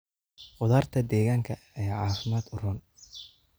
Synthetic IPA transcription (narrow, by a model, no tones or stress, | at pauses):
qʊðaːrt̪ʰɐd̪ɛːɣaːŋkʰɐ | ɛːʕɑːfɪmaːd̪ʊrʊn